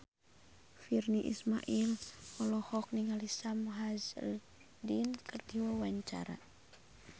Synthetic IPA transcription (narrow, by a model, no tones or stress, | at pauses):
firniʔḭsmaʔilɔlɔhɔk̚niŋalisamuɦazl | dinkərdiwawaɲt͡ʃa̰ɾa̰